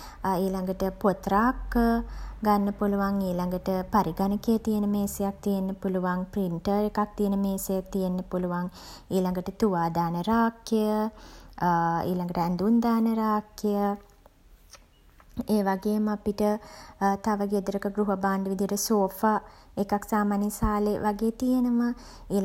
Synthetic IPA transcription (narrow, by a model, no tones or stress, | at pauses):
iːlaŋɡəʈəpot̪ɾaːk | ɡanːəpuluʋaŋiːlaŋɡəʈəpaɾiɡanəkejət̪ijenəmeːsejak̚t̪ijenːəpuluʋaŋpriɳʈəɾekak̚t̪ijenəmeːsejak̚t̪ijenːəpuluʋaŋiːlaŋɡəʈət̪uʋaːd̪aːnəɾaːkːejə | ḭːlaŋɡəʈəænd̪und̪aːnəɾaːkejə | eːʋaɡeːməapiʈət̪aʋəɡed̪əɾəkəɡɾuɦəbaːnɖəʋid̪ijəʈəsoːfaːekaksaːmaːnːisaːleʋʔaɡeːt̪ijenəmə | iː